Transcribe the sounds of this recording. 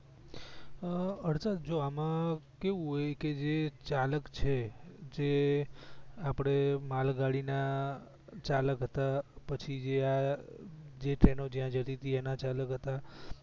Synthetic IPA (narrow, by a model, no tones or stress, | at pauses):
əɽt͡ʃad͡ʒoamãkeʋũɦɔjked͡ʒet͡ʃaləkt͡ʃʰed͡ʒe | apɽ̃emalɡaɽina | t͡ʃaləkɦət̪apət͡ʃʰid͡ʒea | d͡ʒeʈɾenod͡ʒjãd͡ʒʱəʈ̪it̪iɛnat͡ʃaləkɦət̪a